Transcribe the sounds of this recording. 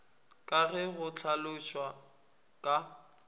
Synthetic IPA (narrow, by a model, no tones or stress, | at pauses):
kʼaɣɛɣʊt͡ɬʰalʊʃwa | kʼa